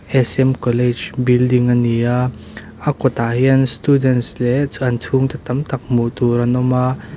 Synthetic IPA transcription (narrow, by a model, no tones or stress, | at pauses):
ʔɛsɛmkɔlɛd͡ʒbildiŋania | ʔakɔt̪aɦiənst̪udɛntslɛʔɐnt͡sʰuŋt̪at̪ɐmt̪ɐk̚muʔt̪uɾɐnɔma